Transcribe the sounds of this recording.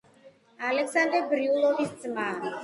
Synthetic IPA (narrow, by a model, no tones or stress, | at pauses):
alɛksand̪ɛɾbɾiulˠɔvisd̪zʼmaːɾi